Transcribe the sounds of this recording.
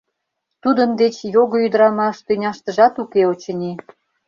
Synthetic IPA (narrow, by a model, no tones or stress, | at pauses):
t̪ud̪ə̆nd̪et͡ɕjoɣoyd̪əɾɑmɑʃt̪ynʲɑʃt̪ə̆ʒɑt̪ukeot͡ɕə̆nʲi